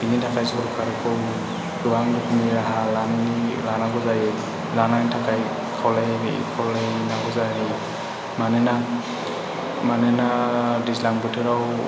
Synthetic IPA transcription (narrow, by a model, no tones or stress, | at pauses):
b̥initʰakajzɔɔɾkʰaɾɛkʰɔw | dɔwaŋdukniɾaɦalanilanaɡɔzajɛ | lanatʰakaj | kʰɔwlɛkʰɔlɛnaɡɔzaɦi | manɛna | manɛnadizlaŋbutʰɛɾaw